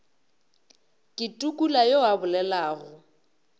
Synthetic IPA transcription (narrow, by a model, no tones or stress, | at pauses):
kʼɪtʼukʼulajoabʊlɛlaːɣʊ